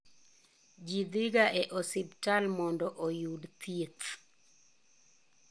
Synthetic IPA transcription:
d͡ʒid̪ɪɡaʔɛʔɔsɪbtalmɔndɔʔojudt̪jet̪

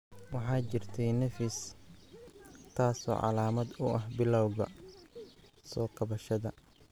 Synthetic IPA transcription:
wɑħɑːt͡ʃɪrt̪ʰɛjnɐfɪs | t̪ʰaːsɔ̰ːʕɑ̰laːmɐd̪ʊʔɐɦbɪlɐwɣɐ̰ | sɔːkʰɐβɐʃɐðɐ

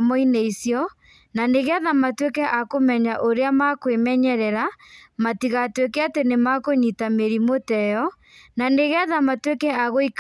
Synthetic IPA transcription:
mɔineisjɔ | naneɣeaðamatwekɛʔakomɛɲaʔoɾeamakwemɛɲɛɾɛɾamatiɣatwekɛatenemakoɲitameɾimotɛjɔ | naneɣeaðamatwekɛaɣoik

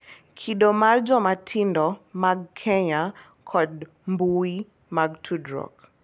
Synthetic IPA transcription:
kʰiɗɔmaɾd͡ʒɔmatʰindɔmaɡkʰɛɲa | kʰɔd | mbuwi | maɡtʰudɾɔ̰k

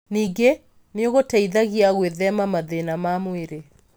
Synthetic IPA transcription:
niːɡe | neoɣotaiðaɣiaɣweðɛmamaðenamamweɾe

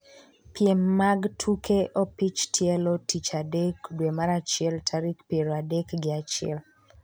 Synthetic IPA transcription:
pjɛmːaɡtʰukʰeʔopit͡ʃtʰiɛlotʰit͡ʃadekdwemaɾat͡ʃɪɛltʰaɾikpeɾoadekɡɪat͡ʃɪɛ̰l

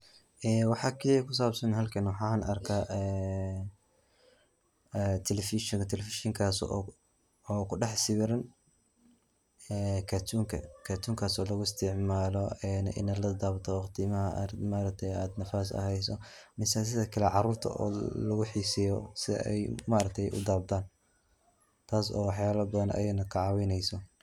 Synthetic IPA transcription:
ʔɛːwɑħɑːkʰikʰʊs̬aːbsɐnɦɐlkʰɐnwɑħɑːnɐrkʰaʔɛː | t̪ʰɛlɛfɪʃɔŋkt̪ʰɛlɛfɪʃɪŋkʰaːs | ɔːkʰʊɖɑħsɪwɪɾɐn | ɛːkʰaːt̪ʰuːŋkʰɐ̰kʰat̪ʰuːŋkʰaːsɔːlɐɣʊɪst̪ʰɪʕmaːlɔɛːnɪ̰naːd̪lɐd̪aːbt̪ʰɔqt̪ʰɪmɐɦɐɾmaːɾɐk̚t̪ʰɛjaːd̪nɐfaːsɐ̰ɦɛjsɔ | mɪsas̬ɪðɐkʰɐlɛʕɑruːrt̪ʰɐ̰ʔɔ̰ːlɐɣʊħiːsɪjɔsɪ̰ɛ̰jmaːɾɐk̚t̪ʰɛjʔʊ̰d̪aːb̚t̪ʰaːn | t̪ʰaːsɔ̰ːwɑħjaːlɐbɐðɐnɐ̰jɛnɐkʰɐʕɑwɪnɛjsɔ

